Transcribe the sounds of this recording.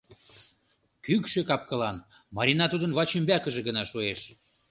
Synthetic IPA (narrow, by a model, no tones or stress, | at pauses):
kykʃĕkɑp̚kɤ̆lɑnmɑɾʲinɑt̪ud̪ənβɑt͡ɕymbækə̆ʒĕɡənɑʃueʃ